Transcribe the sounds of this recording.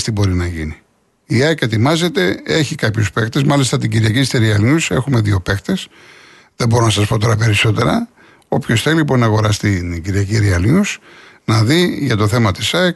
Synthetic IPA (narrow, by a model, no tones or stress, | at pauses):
st̪ibo̞ɾinɐʝini | iɐke̞t̪imɐze̞t̪e̞e̞çikɐpçuspe̞kt̪e̞zmɐlist̪ɐt̪iɲɟiɾʝɐcist̪iɾiɐlɲuse̞xume̞ðio̞pe̞kt̪e̞s | ðebo̞ɾo̞nɐsɐspo̞t̪o̞ɾɐpe̞ɾiso̞t̪e̞ɾɐ | o̞pço̞sθe̞lilipo̞nɐːɣo̞ɾɐst̪iɟiɾʝɐciɾiɐlɲusnɐðiʝɐt̪o̞θe̞mɐt̪isɐek